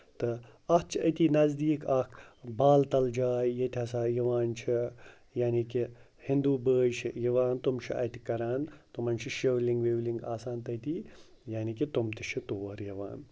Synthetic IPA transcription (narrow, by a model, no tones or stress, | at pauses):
t̪ɨ | ɐht͡ʃʰiɐt̪iːnɐzd̪iːkɐkʰbaːlt̪ɐld͡ʒaːjjet̪ʲʰiɐsaːjɐʋaːnt͡ʃʰi | jaːniki | hĩnd̪uːbəːjt͡ʃʰijɐʋaːnt̪umt͡ʃʰiʔɐ̰t̪ʰikɐɾaːnt̪umɐnt͡ʃʰiʃewliŋɡʋeʋliŋɡaːsaːnt̪ɐt̪iː | jaːnikit̪umt̪it͡ʃʰit̪oːɐɾjɐʋa̰ːn